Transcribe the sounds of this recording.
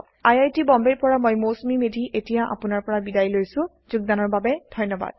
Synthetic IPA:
ajajtibɔmbejpɔɹamojmosmimedʱiʔetijaʔa̰pʊnaɹpɔɹabidajlojsʊ̃ | zʊɡ̚danɔɹbabɛdʱɔjnɔba̰d̥

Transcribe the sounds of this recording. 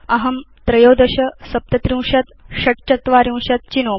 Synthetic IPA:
ɐɦɐm | t̪ɾɐjowd̪ɐɕɐsɐp̚t̪ɐt̪ɾĩw̃ɕɐt̪ɕɐʈt͡ɕɐt̪ʋaɾĩw̃ɕɐt̪̚t͡ɕinoː

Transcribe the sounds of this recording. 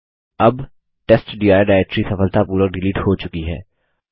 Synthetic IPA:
ɐb | ʈesʈɖiːaːɖaːɾek̚ʈɾisɐfəlt̪apuːɾəɖɪliːʈhot͡ʃʊkiɦɛ̰ː

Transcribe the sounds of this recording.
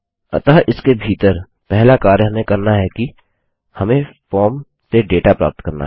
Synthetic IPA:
ɐ̰t̪aɦʔɪskebʱiːt̪əɾ | pɛɦlakaːɾjɦɐmẽkɐɾnaɦɛki | hɐmẽfɔːɾm | seɖeːʈapɾa̰ːp̚t̪kəɾna̰

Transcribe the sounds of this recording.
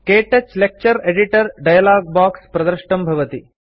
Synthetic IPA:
keːʈɐt͡ɕlek̚t͡ɕɐɾeɖiʈɐɾɖajɐlaːɡ̚baːkspɾɐd̪ɐɾʂʈɐmbʱɐʋɐt̪i

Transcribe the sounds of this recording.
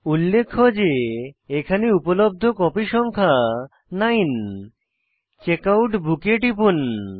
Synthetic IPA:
ulːekʰːod͡ʑeekʰaneupolob̚d̪ʱokɔpiʃɔŋkʰa | najn | t͡ɕekawʈbukeʈipun

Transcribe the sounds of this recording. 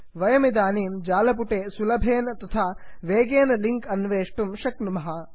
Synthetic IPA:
ʋɐjɐmid̪aːniːmd͡ʒaːlɐp̬uʈeːsulɐbʱeːnɐt̪ɐt̪ʰaːʋeːɡeːnɐliŋkɐnʋeːʂʈumʃɐknumɐɦɐ

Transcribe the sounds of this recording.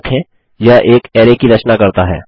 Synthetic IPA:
kʰɦɛ̃ | jaʔeːkɛːɾekiɾɐt͡ʃnakɐɾt̪aɦɛ̰ː

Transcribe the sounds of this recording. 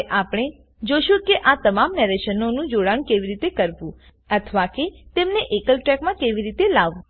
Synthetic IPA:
ʔapɽ̃e | d͡ʒoʃũkeʔat̪əmamnɛɾeʃənonũd͡ʒoɽañkeʋiɾit̪ekəɾʋũ | ət̪ʰʋaket̪emneʔekəlʈɾɛkmãkeʋiɾit̪elaʋũ

